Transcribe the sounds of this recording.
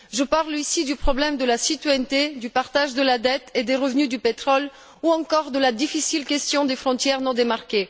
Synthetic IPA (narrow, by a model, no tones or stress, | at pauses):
ʒəpaʁlisid̪ypχɔblɛmd̪əlasit̪ɥajt̪ed̪ypaʁt̪aʒd̪əlad̪ɛt̪ed̪eʁəvnyd̪ypet̪χɔl | uɑ̃kɔʁd̪əlad̪ifisilkʲɛst̪jɔ̃d̪efχɔ̃t̪jɛʁnɔ̃d̪emaʁkʲe